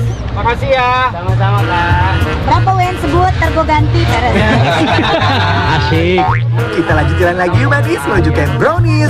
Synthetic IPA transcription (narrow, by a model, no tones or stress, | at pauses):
makasiaaasamalabɾapawansəbut̪ːərɡoɡant̪ikaɾaa | aʃi | kit̪alaɡit̪ilanlaɡiumanismənuɲd͡ʒukanbɾoni